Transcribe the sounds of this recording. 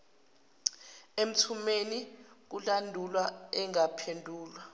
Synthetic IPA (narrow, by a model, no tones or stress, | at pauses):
em̩tʰumenik̬ulandʱulwaɛŋapʰendʱuːlwa